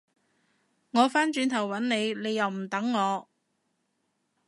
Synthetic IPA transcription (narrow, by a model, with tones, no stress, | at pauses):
ŋɔː˨˧faː˥nt͡ʃyː˨˧nt̪ʰɐ˨˩wːɐ˨˥nne˨˧jne˨˧jːɐ˨wm̩˨˩t̪ɐ˨˥ŋːɔː˨˧